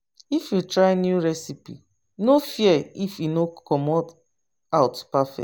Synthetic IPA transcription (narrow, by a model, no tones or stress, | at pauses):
ifjutɹaɪnjuɹɛsipḭ | nofiɛifinokɔmɔt | awtpafɛ̰